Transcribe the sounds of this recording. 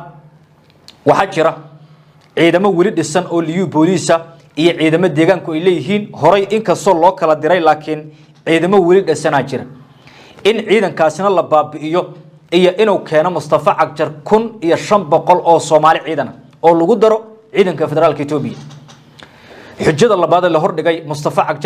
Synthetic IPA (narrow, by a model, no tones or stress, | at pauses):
wɑħɑːt͡ʃɪɾɐ | ʕiːðɐmɔwɛlɪɖɪsɐnɔːlijubɔːliːsɐ | ijɔʕiːðɐmɔd̪ɛːɣaːŋkʰʊɛjlɛːjɪɦiːnhɔɾɛjʔɪŋkʰɐst̪ʰɔːlɔːkʰɐlɐd̪ɪɾɛjlaːkʰɪn | ʕiːðɐmɔwɛlɪɖɛsɐnaːt͡ʃʰɪɾɐ | ɪnʕiːðɐŋkʰaːsɪnɐlɐbaːbɪɪjɔ | ijɔʔɪnuwkʰɛːnɔmʊst̪ʰɐfɐʕɑk̚t͡ʃɐrkʰʊnijɔʃɐmbɔqɔlɔːsɔːmaːlɪʕiːðɐnɐ | ɔːlɐɣʊd̪ɐɾɔ | ʕiːðɐŋkʰɐfɛðɛɾaːlkʰɐɪt̪ʰɔːbɪjɐ | ħʊt͡ʃːɐðɐlɐβaːðɛlɐɦɔrɖɪɣɛjmʊst̪ʰɐfɐʕɑkt͡ʃ